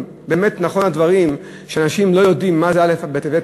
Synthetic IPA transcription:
be̞ːmet̪naχo̞nadvaʁim | ʃeanaʃimlo̞jo̞dimːazealefbet̪eve

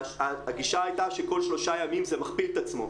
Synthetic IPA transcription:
aaɡiʃaajt̪aʃeko̞lʃlo̞ʃajamimzemaχpilet̪at͡smo̞̰

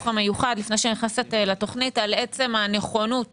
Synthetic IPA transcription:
χamejuχad̪lifnejʃeniχnaset̪lato̞χnitalet͡se̞mane̞χo̞nut̚

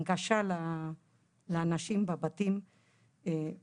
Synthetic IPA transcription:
ɡaʃala | laːnaʃimbabat̪im | e

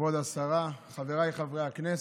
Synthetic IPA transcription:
od̪asaʁaχaveʁajχavʁeaknes

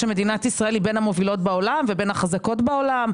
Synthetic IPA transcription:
emed̪inatisʁaelibe̞namo̞vilo̞tbao̞lamvebenhaχazako̞tbao̞lam

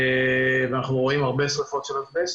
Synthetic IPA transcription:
veanaχnuʁoimaʁbe̞sʁefo̞t̪ʃelot̪bes

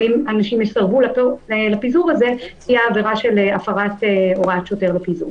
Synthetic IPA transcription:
imanaʃimjesaʁbulaplapizuʁaze̞sijaːveʁaʃe̞leafaʁateo̞ʁatʃjote̞ʁlapizṵʁ

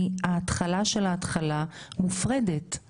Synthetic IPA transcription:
haːt̪χalaʃe̞laːtχalamufʁedet

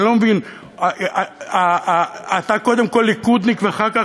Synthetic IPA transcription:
lomevin | aat̪ako̞d̪e̞mko̞lːikud̪nikveaχaʁka

